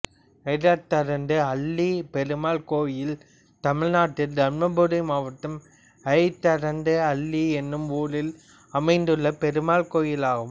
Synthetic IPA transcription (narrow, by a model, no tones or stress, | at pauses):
ɐɾat̪ːɐɾɐnd̪ɯɐɭlːipɛɾɯmaːlkoːʋɪjɪl | t̪ɐmɪɻnaːʈːɪld̪ɐɳmɐbɯɾɐɪmaːʋɐʈ̪ːɯm | ɐɪt̪ːɐɾɐnd̪ɯɐɭːiɛnːɯmuːlɪl | ɐmɐɪnd̪ɯɭːɐpɛɾɯmaːlkoːjɪlaːɣɯm